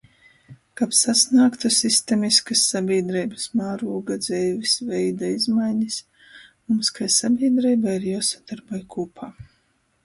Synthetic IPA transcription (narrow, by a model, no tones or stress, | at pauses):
kapsasnaːkt̪asist̪ɛmʲiskasːabʲiɛd̪ɾɛjbɨsmaːɾuɔɡad̪zɛjvʲisvɛjd̪aizmajɲis | mumskajsabʲiɛd̪ɾɛjbaiɾjasad̪̥aɾbajkuːpʰaː